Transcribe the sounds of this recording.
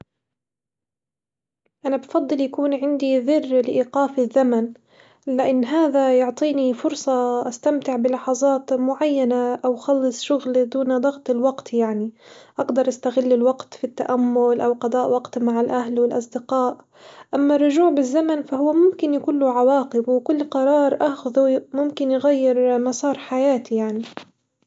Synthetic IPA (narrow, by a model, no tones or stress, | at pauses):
ʔanabfɑd̪ˤːɨljakuːnʕɪnd̪iðɪrːlɪʔiːqɑːfɪðːaman | lɪʔanːɦaːðajʊʕt̪ˤiːnifʊɾsˤɑʔast̪amt̪ɪʕbɪlɑħɑzˤɑːt̪mʊʕajːanaʔawxɑlːɨsˤʃʊɣld̪uːnd̪ˤɑɣt̪ˤɪlwɑɡt̪jaʕniʔaɡd̪ɑɾˤʔast̪aɣɪlːɪlwaɡt̪fit̪ːa̰ʔamːʊlʔawqɑd̪ˤɑːʔwɑqt̪maʕalʔaɦlwɪlʔɑsˤd̪ɪqɑːʔ | ʔamːarˤːʊʒuːʕbɪzːamanfahʊwːamʊmkɪnjkʊlːʊʕawɑːqɪbwɪkʊlːqɑɾˤɑːɾˤʔaxðumʊmkɪnjɣajːɪɾmɑsˤɑːɾˤħajaːt̪ijaʕni